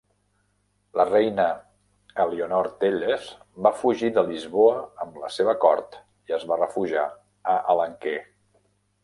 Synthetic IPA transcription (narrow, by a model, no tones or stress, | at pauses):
lərɛjnə | əleonɔɾt̪eʎez | bafuʒiðəlizβoəəmləseβəkɔɾt̪ | iəzβarəfuʒa̰ | əʔələŋke